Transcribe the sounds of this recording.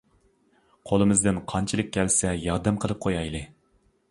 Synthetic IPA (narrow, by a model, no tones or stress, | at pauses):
qʰolˠɨmɨzd̪ɨnqʰɑnt͡ʃʰilˠɨk̚ʲʰːɛlsɛjɑɾd̪ɛmqʰəlˠɨp̚qʰojɑjlˠɨ